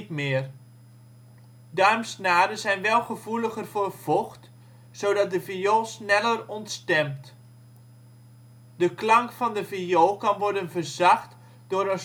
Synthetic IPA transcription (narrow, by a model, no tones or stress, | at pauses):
tmɪər | dœɥmsnaːdəzɛjnʋɛlˠχəvuləχərvoːrv̥ɔχt | sowdɑt̚dəvijoːsnɛlˠərɔntstɛmt | dəklɑŋkfɑndəvijoːkɑnʋɔɹdənvərzɑxt | d̥ʊɾə